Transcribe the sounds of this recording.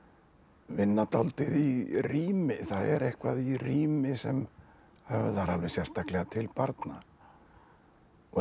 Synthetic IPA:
vɪnːat̪awlt̪ɪðiriːmɪθaðɛ̰ɾɛhkvaðiriːmɪsɛm | hɛvʏðaɾalvɪsjɛɾ̥st̪aklɛɣat̪ʰɪlpaɾt̪na

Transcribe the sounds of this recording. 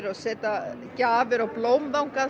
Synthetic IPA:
ɾɔðsɛːt̪a | caːvɪɾawploːwmðawŋ̥ka

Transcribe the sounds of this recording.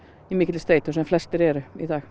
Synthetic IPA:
ɪmɪklst̪eɪt̪ɔsɔɛflɛst̪əɾeːɾəɪd̪ɑːɡ̥

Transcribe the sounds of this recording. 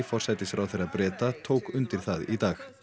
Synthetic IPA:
fɔr̥sɛt̪ɪsfɾʔawθɛɾaðpɾɛːt̪at̪ʰoːwkʏnt̪ɪɾ̥θaðit̪aːx

